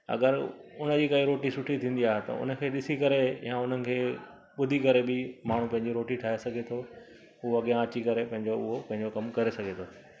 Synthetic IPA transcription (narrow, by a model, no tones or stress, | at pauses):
ɐ̰ɡəɾʊnə̆d͡ʑiːkɐiɾoːʈisʊʈʰit̪ʰĩːnd̪iaːɦet̪ɐ̰ʊ̰nəkʰeːɗɪsikɐɾejãʊn̤ənɪ̆kʰeː | ɓʊd̪ʱikɐɾebɪmaːɳ̤ũpɐ̃ɦɪ̃ɲd͡ʑiɾoːʈiʈʰaːɦesɐɡʱet̪ʰo | ʊoɐɠijãɐt͡ɕikɐɾepɐ̃ɦɪ̃ɲd͡ʑoʊɦopɐ̃ɦɪ̃ɲd͡ʑokɐmkɐɾesɐɡʱet̪ʰoː